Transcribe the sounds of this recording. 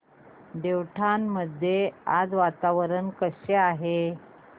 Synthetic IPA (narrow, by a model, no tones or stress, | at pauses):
d̪ewʈʰanməd̪ʱjea̰d͡zʋat̪aʋəɾənkəɕeaɦe